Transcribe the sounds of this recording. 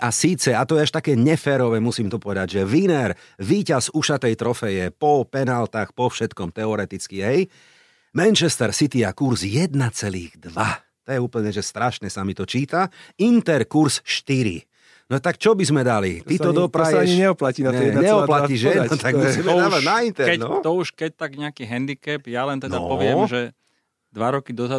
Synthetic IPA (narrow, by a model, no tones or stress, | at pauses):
ʔasiːt͡sɛat̪ɔjɛaʃt̪akɛːɲɛfɛːɾɔʋɛmusiːmt̪ɔpɔʋɛd̪aɟʒɛʋinɛɾ | ʋiːcazuʃat̪ɛjt̪ɾɔfɛjɛpɔpɛnalt̪axpɔfʃɛt̪kɔmt̪ɛɔɾɛt̪it͡skiɦɛj | mɛnt͡ʃɛst̪ɛɾsit̪iakuɾzjɛd̪nat͡sɛlḭːɣd̪ʋa | t̪ɔjɛuːpl̩ɲɛʒɛst̪ɾaʃnɛsamit̪ɔt͡ʃiːt̪aint̪ɛɾkuɾsʃt̪iɾḭ | nɔt̪akt͡ʃɔbizmɛd̪alḭt̪it̪ɔd̪ɔpɾaɲiɲɛɔplacinaɛɛɲɛɔplaiʒɛnɔt̪aɡmsiːmɛnaːʋanaint̪ɛkɛɔt̪ɔuʃkɛc̚t̪aɡɲɛakiɦɛnd̪ikɛpjalɛnt̪ɛnd̪aɔ̰pɔʋɪɛmʒɛ | d̪ʋaɾɔkid̪ɔza